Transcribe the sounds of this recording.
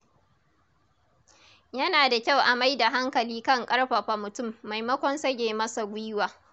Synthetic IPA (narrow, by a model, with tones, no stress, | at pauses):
jɐ˦naː˨da˨kʲa˦˨wʔa˨ma˦jda˨ɦa˦ŋkɐ˨liː˦kɐ˦ŋkʼɐ˦ɽɸa˨ɸa˨mʊ˨tʊ˦˨mːa˨jmɐ˦kʷɔ˦nsɐ˦ɡʲeː˨mɐ˦sa˨ɡʷʊ˦waː˨